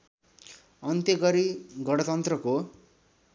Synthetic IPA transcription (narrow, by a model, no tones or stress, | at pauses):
ʌnt̪jʌɡʌɾiɡʌɽ̃ʌt̪ʌnt̪rʌko